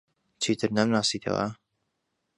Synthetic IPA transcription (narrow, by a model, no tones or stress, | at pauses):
t͡ʃʰiːt̪ʰɨɾnamnaːsiːt̪ʰɐ̰wa̰